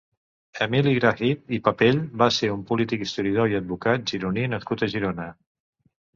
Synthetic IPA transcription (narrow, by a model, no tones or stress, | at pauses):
əmiliɣɾaɣit̪ipəpeʎbaseumpulit̪ikist̪uɾiəðoiəd̪̚βukat̪̚ʒiɾuninəskut̪əʒiɾonə